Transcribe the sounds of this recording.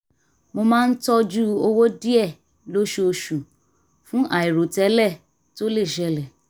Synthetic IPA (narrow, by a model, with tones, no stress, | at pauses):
mo˧mãː˦n̩˦tɔ˦d͡ʒu˦o˧wo˦di˦ɛ˦˨ | lo˦ʃu˧˦o˧ʃu˨ | fũ˦ʔa˨i˨ɾo˨tɛ˨˦lɛ˦˨ | to˦le˦˨ʃɛ˧˦lɛ˨